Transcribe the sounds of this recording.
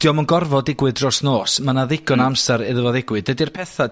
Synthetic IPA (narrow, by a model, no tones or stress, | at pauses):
d̥ijɔmɔnɡɔrvɔdɪɡwɨdrɔsnoːsmanaðɪɡɔnamsɛɾɪðəvɔðɪɡwɨdɛdirpʰɛθa